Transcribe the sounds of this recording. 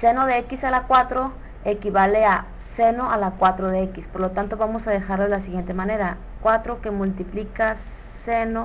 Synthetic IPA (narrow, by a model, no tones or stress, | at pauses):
seno̞ðeekisalakwat̪ɾo | ekiβalea | seno̞alakwat̪ɾoðeekispoɾlot̪ant̪o̞βamosaðe̞xaɾloðelas̬iɣje̞nt̪emãne̞ɾa | kwat̪ɾokemult̪iplika | seno